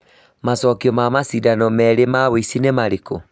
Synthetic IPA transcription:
masɔkiɔmamasidanɔmɛɾemaweisinemaɾiko

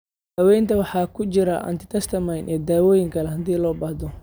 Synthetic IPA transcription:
hɐwɛjnt̪ʰɐwɑħɑːkʰʊt͡ʃɪɾɐ̰ʔɐ̰nt̪ʰɪ̥t̪ʰɐst̪ʰɐmɐjnʔɛːd̪aːwɔːjɪŋkʰɐlɛɦɐd̪iːlɔːbɐhd̪ɔ

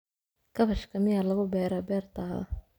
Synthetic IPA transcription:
kʰɐβɐʃkʰɐmɪjalɐɣʊbɛːɾabɛːrt̪ʰaːβɐ̰

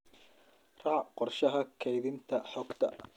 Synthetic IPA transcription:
ɾˤɑʕʔqʊɾˤʃaɦakʰːajðɪnt̪aʔħʊkt̪a̰ʔ

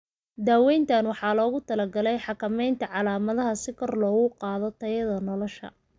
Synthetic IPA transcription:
d̪aːwɛjnt̪ʰanwɑħɑːlɔːɣʊt̪ʰɐlɐɡɐlɛjħɑkʰɐmɛjnt̪ʰɐʕɑlaːmɐðɐɦɐsɪkʰɔrlɔːɣʊqɑːðɔt̪ʰɐjɐðɐnɔlɔʃɐ̰

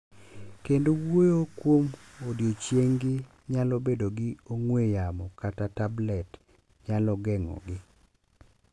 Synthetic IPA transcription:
kendowojokwom | odjot͡ʃjeŋɡɪ | ɲalobedoɡɪoŋwejamɔkatatablɛt | ɲalɔɡɛŋɔ̰ɡɪ

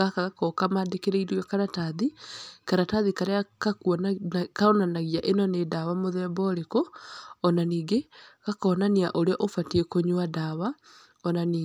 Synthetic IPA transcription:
akaɣakɔkamaːdekeɾeiɾɔkaɾataðikaɾataðikaɾeakaknkaonanaɣiaʔenɔnedawamoðɛːmbɔɾekoːnaniːɡeɣakɔːnaniaʔoɾeɔʔofatekoɲwadawa | ɔnaniː

